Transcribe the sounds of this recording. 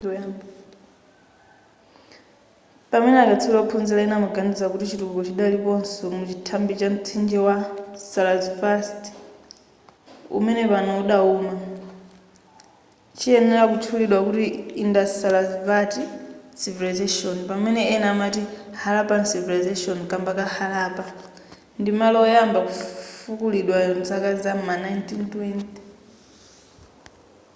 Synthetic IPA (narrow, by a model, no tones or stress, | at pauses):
pamɛnɛakat͡sʰiɾaɔpʰunzilainamaɡandizakutit͡ʃitukɡut͡ʃiɗalipɔnsɔmut͡ʃitʰambit͡ʃam̩t͡sʰind͡ʒɛwasalazfast | ṵmɛnɛpanauɗauːma | t͡ʃiɛnɛɾakut͡ʃʰuliɗwakutiːndatalazvatisivilazaʃɔnpamɛnɛɛnamatihalapansivilazaʃɔnkambakahalaːpa | ndimalɔjambakufukuliɗwanzakazamanajntʰintwɛnti̥